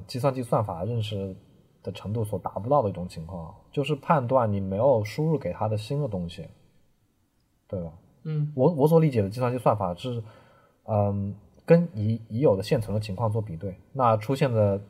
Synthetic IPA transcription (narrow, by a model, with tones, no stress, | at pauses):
t͡ɕi˥˧s̬wa˥˧nt͡ɕi˥˧swa˥˩nfa̰˨˩ɻə˥˩˧nʂ̬ɻ̩˥˩ | d̪̥ə˩ʈ͡ʂʰɤ˧˥ŋt̪̬u˥˩swɔ˨˩t̪a̰˨˩pu˧t̪ɑ˥˩ʊə˩˥i˥˩ʈ͡ʂʊ˨˩ŋt͡ɕʰi˧˥ŋkʰwɑ˥˩ŋt͡ɕjo˥˧ʊʂ̬ɻ̩˥˧pʰa˥˧nt̪wa˥˩nni˨˩me˧˥ɪjo˨˩ʊʂu˥ɻu˥˩ke˨˩ɪt̪ʰa˥d̪ə˨ɕi˥nd̪ə˨t̪ʊ˥ŋɕḭ˩ | t̪we˥˩ɪbɐ˩ | wɔ˧˥wɔ˧˥s̬wɔ˨˩˦li˥˩t͡ɕjɛ˨˩d̪ə˦t͡ɕi˥˧swa˥˧nt͡ɕi˥˧swa˥˩nfa˨˩ʂɻ̩˥˩ | ə˧ | kə˥ni˧˥i˧˥jo˨˩d̪ə˦ɕjɛ˥˩nʈ͡ʂʰɤ˧˥ŋd̪ə˧˩t͡ɕʰi˧˥ŋkʰwɑ˥˧ŋt͡swɔ˥˩p̬i˨˩t̪we˥˩ɪna˥˧ʈ͡ʂʰu˥ɕjɛ˥˩nd̪ə˩